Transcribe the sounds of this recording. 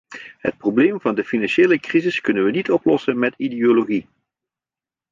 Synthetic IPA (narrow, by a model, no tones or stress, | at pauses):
ɦə̰t̚probleːmvɑndəfinɑnʃeːləkrizɪskɵnənʋənitɔplɔsənmɛtideoloɣi